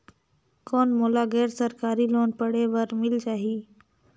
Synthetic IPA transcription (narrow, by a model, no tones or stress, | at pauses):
koːnmoːlaːɣɛːɾsəɾkaːɾiloːnpəɽeʋəɾmɪld͡ʒaːɦiː